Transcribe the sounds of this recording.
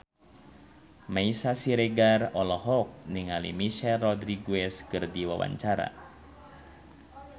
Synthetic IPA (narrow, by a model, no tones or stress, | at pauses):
maisasiɾeɡarɔlɔɦɔk̚niŋalḭmiʃɛlːɔdɾiɡuɛskɨrdiwa̰wa̰ɲt͡ʃaɾa̰